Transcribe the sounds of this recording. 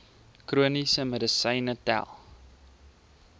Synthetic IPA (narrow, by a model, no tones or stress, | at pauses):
kruənisəmədəsəjnətæ̰lˠ